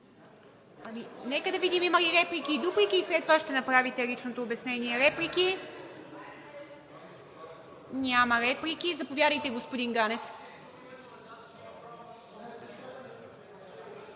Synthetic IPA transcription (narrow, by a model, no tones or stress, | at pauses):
ɐminɛkəd̪ɐvid̪imimɐliɾɛplikʲid̪opɾikiːsɾɛt̪vaʃt̪ɛnɐpɾavit̪ɛlit͡ʃnot̪oːbɛsnɛniɛɾɛpliki | nʲamɐɾɛplikizɐpovʲjad̪əjt̪ɛɡospod̪inɡanɛf